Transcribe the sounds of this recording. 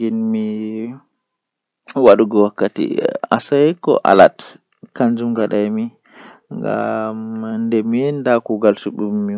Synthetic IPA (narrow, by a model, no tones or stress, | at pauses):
ɡinmi | waɗuɡɔwakːatḭa̰saɛkɔ̰ʔa̰la̰t | kand͡ʒumɡaɗajmi | ŋɡa̰mndɛmindakuɡalsuɓui